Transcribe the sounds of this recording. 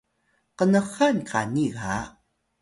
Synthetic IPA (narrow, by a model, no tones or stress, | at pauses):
qənəχankʰa̰niɣa̰